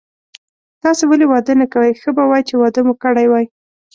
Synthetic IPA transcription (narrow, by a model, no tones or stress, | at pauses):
t̪ɑsewalewɑd̪ənakawəjxəbawɑjt͡ʃewɑd̪əmukəɽajwɑj